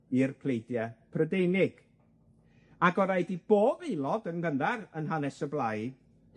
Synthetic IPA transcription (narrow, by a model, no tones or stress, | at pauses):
irpʰlejdjɛpʰrədejnɪɡ̥ | aɡɔɾajdib̥oːvelˠɔdənɡəndarənɦanɛsəblˠaj